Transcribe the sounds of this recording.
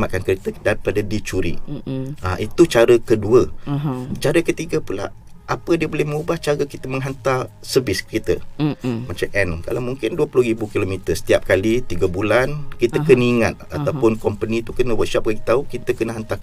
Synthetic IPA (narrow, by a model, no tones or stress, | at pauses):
maʔ̪̚kankəɾet̪ədaɾipadabit͡ʃuɾḭaʔit̪ut͡ʃaɾəkəduə | t͡ʃaɾəkət̪iɡapula̰ʔ | ʔapədiəbolɛhmə̃ŋubaht͡ʃaɾəkit̪əməŋɦant̪ar | səvɪskəɾet̪ə̰mat͡ʃamʔɛnka̰lawmuŋkɪnduəpulʊhɾibukilomĩt̪əsə̥t̪iap̚kalit̪iɡabulankit̪əkəniŋat̪̚a̰t̪awpʊnkɔmpənĩt̪ukənəwət̪̚ʃɔp̚wat̪aukit̪əkənəɦant̪a